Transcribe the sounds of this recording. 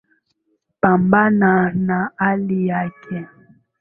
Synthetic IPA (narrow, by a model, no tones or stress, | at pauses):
pambananaaliakʰɛ